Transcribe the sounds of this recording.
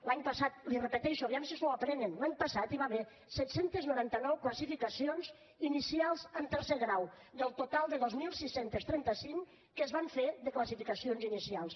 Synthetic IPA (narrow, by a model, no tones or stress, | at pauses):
laɲpəsat̪̚lirəpət̪ɛʃuoβiamsiznoapɾɛnənlaɲpəsat̪iβaβe | sɛt̪sent̪əznuɾant̪ənɔwkləsifikəsionz | inisialˠzəmt̪əɾseɣɾaw | d̪əlˠt̪ot̪alˠd̪əðozmilˠsisːent̪əst̪ɾɛnt̪əsiŋ | kəzβaɱfeðəkləsifikəsionzinisialˠs